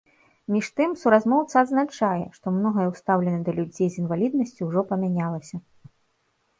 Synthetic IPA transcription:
mʲiʂt̪ɨmsuɾazmɔwt̪sɐːd̪znat͡ʂajɛ̰ʂt̪ɔmnɔɣɐjɛwst̪awlʲɛnɐd̪ɐlʲud͡zʲejzinvalʲid̪̚nɐsʲt͡sʲuwʐɔpɐmʲanʲalˠɐsʲɐ

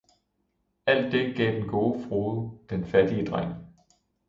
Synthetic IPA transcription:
æl̰d̥ːe̝ɡ̥ɛ̰ːd̥enɡ̥o̝ːfʁoːð̩ˠəd̥enfæd̥iəd̥ʁaŋ̰

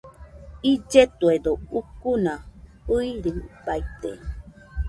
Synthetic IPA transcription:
id͡ʒet̪ued̪oukunaɨiɾipait̪ḛ

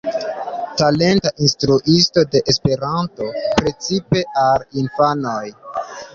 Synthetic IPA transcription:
tale̞ntaʔinstɾuʔisto̞de̞ʔespe̞ɾanto̞pɾe̞t͡sipe̞ʔalinfanoj

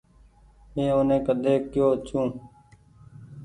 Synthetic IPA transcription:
eːoːnẽːkəd̪eːkːjoːt͡ʃũː

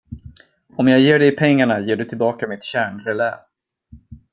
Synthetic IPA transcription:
ɔmjaɡjeːɖɛpʰɛŋːaɳajeːɖɵt̪ʰɪlbɑːkamɪt̪ɕæːɳɾɛlɛ̰ːv

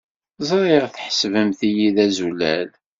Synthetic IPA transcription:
zˤɾˤiʁθħə̥svəmθijiðæzulæ̰l

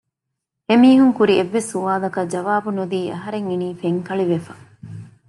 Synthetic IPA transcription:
emiːɦuŋkuɾieʋːesːuʋaːlɐkɐd͡ʒɐʋaːbunud̪iːʔɐ̰ɦɐɾeŋiniːfeŋkɐɭiʋefɐ

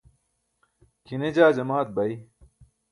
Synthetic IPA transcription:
kined͡ʑaːd͡ʑɐmaːt̪̚bɐj

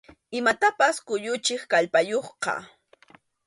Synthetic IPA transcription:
ɪmat̪apaskʊʎʊt͡ʃɪχkaʎpajoχqɑ̰

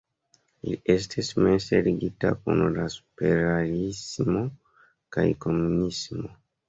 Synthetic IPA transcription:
iies̬tʰismeseliɡitako̰nodasu̥peɾalismo̞ | kajko̞munismo

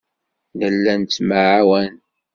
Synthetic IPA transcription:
nəlːænt͡sːmaʕawæn

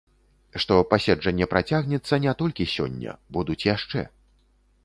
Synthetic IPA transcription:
ʂt̪ɔpasʲɛd͡ʐɐnʲːɛpɾat͡sʲaɣnʲɛt̪sːɐnʲɛt̪ɔlʲkʲisʲɔ̰nʲːɐ̰bud̪ut͡sʲjaʂt͡ʂɛ̰

